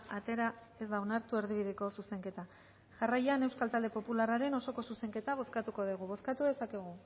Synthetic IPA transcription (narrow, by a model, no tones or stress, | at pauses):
at̪e̞ɾa | e̞zd̪aonaɾt̪ue̞ɾð̞iβ̞iðeko̞suse̞ŋke̞t̪a | ʝarajane̞wskalt̪ald̪e̞po̞pularaɾe̞no̞so̞ko̞suse̞ŋke̞t̪aβ̞o̞skat̪uko̞ðiɣ̞uβ̞o̞skat̪uðe̞sake̞ɣ̞u